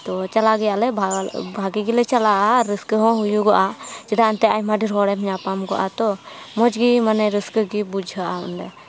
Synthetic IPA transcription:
t̪ɔt͡ʃalaɡɛjaʔlɛbʱaɡiɡilɛt͡ʃalaʔaɾəskəɦɔ̃ɦujuɡɔʔat͡ʃɛd̪aːnt̪ɛajmaɖiɾɦɔɽɛmɲapamɡɔʔat̪ɔmɔd͡ʒɡimanɛɾəskɡibud͡ʒʱəʔaɔ̰nd̪ɛ

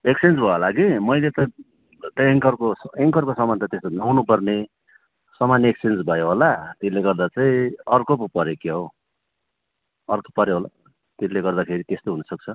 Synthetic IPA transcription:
eksend͡zbʱʌlaɡimʌjlet̪ʌ | ʈeŋkʌrkoseŋkʌrkosʌmant̪ʌt̪est̪onawnupʌrne | sʌmanːeksend͡zbʱʌjoɦolat̪eleɡʌrd̪at͡saĩʌrkopupʌɾjekeɦo | ʌrkopʌɾjoɦola̰ | t̪eleɡʌrd̪akʰeɾit̪est̪oɦunʌsʌk̚t͡sʰʌ

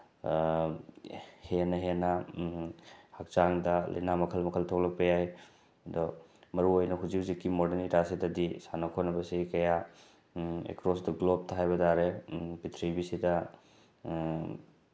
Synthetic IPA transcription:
henɐɦenɐ | hak̚t͡ʃaŋdɐlɐ̰jnamɐkʰɐlmɐkʰɐltʰok̚lɐk̚pɐjaj | domɐɾuojnɐɦuzizikːimodeniɾasidɐdisanɐkʰonɐbɐsikɐja | ḛkɾosdɐɡlob̚tʰɐɦajbɐdaɾebitʰɾibisidɐ

